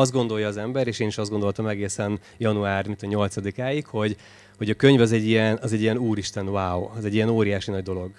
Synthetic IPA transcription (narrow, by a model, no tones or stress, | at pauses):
ɒzd̪ɡo̞nd̪o̞jːɒːzɛmbɛɾeːʃeːniʃɒzdɡond̪o̞lt̪ɒmɛɡeːsɛn | jɒnuaːrmint̪ɒɲo̞lt̪sɒd̪ikaːjikho̞ɟ | ho̞ɟɒkø̞ɲvɒzɛɟːijɛnɒzɛɟːijɛnuːɾiʃt̪ɛnvaːwɒzɛɟːiɛnoːɾijaːʃinɒɟ̚d̪o̞lo̞ɡ